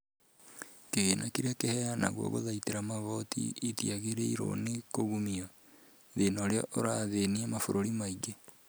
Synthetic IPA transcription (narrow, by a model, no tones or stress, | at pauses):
keɣenʔakiɾakehɛjana̰ɣwo̰ɣo̰ðaiteɾamaβɔtḭitiaɣeɾeiɾo̰nekoɣumiɔ | ðenoɾeɔʔoɾaðeniamafoɾoɾimaiɡe